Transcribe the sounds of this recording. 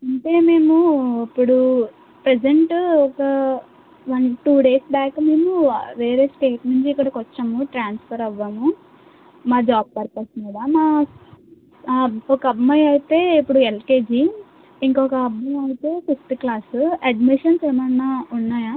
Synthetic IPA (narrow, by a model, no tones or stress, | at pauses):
ɐɳʈe̞ːme̞ːmuipːuɽu | pɾed͡ʒeɳʈɔkɐ | ʋɐnʈuːɖe̞ːsbaːkme̞ːmuʋe̞ːɾeːsʈe̞ːʈneɳt͡ʃikːɐɽɐkɔt͡ʃːamuʈɾaːnspʰɐɾɐʋːɐmu | maːd͡ʒaːb̚pɐɾpɐɾsɐnid̪amaː | ɔkɐɐbmɐjɐjit̪e̞ːipːuɽuelkeːd͡ʒi | iŋkɔkɐːbɐmɐjt̪e̞ːfisʈklaːsuɐɖmiʂɐnsɛmɐnːaːunːaːja